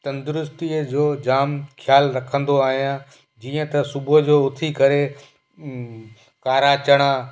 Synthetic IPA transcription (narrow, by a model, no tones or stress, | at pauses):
t̪ɐ̃nd̪ʊɾʊst̪iəd͡ʑoːd͡ʑaːmkʰjaːlɾɐkʰə̃nd̪oaːɦijãː | d͡ʑiːə̃t̪ɐsʊbʊɦəd͡ʑoːʊt̪ʰikɐɾe | kaːɾat͡ɕəɽ̃aː